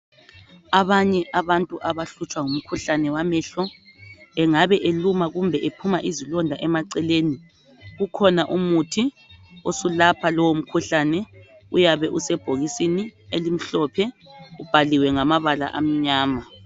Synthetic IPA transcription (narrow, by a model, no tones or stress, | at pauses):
aβaɲɛʔaβantʼuʔaβaɬut͡ʃʼwaŋum̩kʰuɬanɛwamɛɬɔ | ɛŋaβɛʔelumaɣumbʱɛʔepʰumaʔizilɔndʱaʔɛmaǀɛleːni | ɣukʰɔnaʔumutʰi | osulapʰalɔwom̩kʰuɬanɛ | ujaβɛʔusɛb̥ʱoɣisinielim̩ɬɔpʰɛub̥ʱaliwɛŋamaβala̰ʔa̰m̩ɲaːma